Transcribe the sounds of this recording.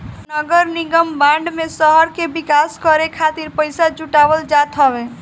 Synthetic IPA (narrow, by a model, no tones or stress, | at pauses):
nəɡəɾniɡəmbãɳɖmesəɦəɾkebikaskəɾekʰat̪iɾpəɪsad͡ʒuʈabəld͡ʒat̪ɦəbe